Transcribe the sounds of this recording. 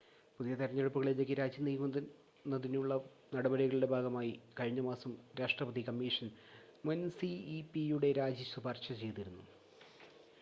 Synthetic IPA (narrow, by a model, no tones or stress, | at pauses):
puðijɐt̪iɾɐɲːeɻupːuɣɐɭelːekʲːiɾaːd͡ʑjɐniːkum | nːɐðinuɭːɐ | nɐɽɐbɐɾiɣɐɭiɽe̞bʱaːɡɐmaːjikɐɻiɲːɐmaːsɐmɾeːʂʈrɐpɐðikɐmːiʂɐnmɐnsiːpijuɽe̞ɾaːd͡ʑisubʱaːrʂɐt͡ɕe̞jt̪iɾunːu